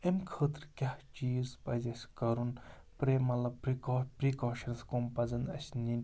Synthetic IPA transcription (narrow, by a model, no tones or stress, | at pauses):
emkʰəːt̪ɾkʲaht͡ʃiːzpɐzɐsʲkɐɾun | pɾemɐlɐbɾikopɾikɔːʃɐnskompɐzɐnɐ̰sninʲ